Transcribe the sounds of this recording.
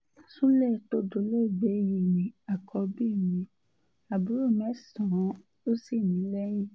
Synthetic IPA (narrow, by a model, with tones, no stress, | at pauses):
su˦lɛ˦˨to˦do˧˦le˦˨ɡ͡be˨˦ji˦˨mĩ˧˦a˨kʰɔ˧bi˦˨mĩ˧˦ | a˨bu˨˦ɾo˦˨mɛ˨˦sã˨˦ | o˦si˦˨nĩ˨˦lɛ˦j̃ĩ˦